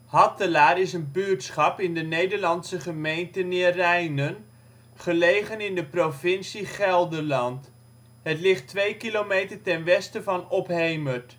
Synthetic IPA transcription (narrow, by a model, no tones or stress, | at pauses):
hɑtəlaːɾɪsənbytsχɑpɪndənejdəɹlɑnsəχəmejntənɪːrɛjnən | χəlejχənɪndəprovɪnsiχɛlˠdəɹlɑnt | ɦətlɪχtʋejkilomejtəɹtɛnʋɛstəvɑnɔpɦejməɹt